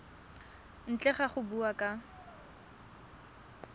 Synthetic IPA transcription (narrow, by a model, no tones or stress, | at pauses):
n̩t͡ɬʼɛχaχʊbuakʼa